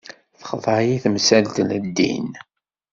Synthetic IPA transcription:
θə̥χðˤɑjiθmsælt̪ələd̪ːḭn

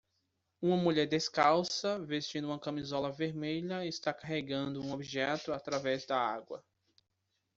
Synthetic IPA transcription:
ũmɐmuʎɛɾd̪eskawsɐvest͡ʃĩnd̪ʊũmɐkɐ̃mizɔlɐveɾmeʎɐist̪akaɦeɡɐ̃nd̪ʊũobiʒɛt̪ʊat̪ɾavɛzd̪ɐaɡwɐ̰

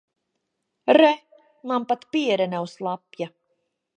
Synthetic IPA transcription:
ɾɛ | nˠampat̪piɛɾɛnawslˠapja

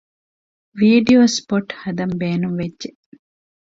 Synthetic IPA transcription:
ʋiːɖioːspoʈhɐd̪ɐmbeːnumʋedːʒe

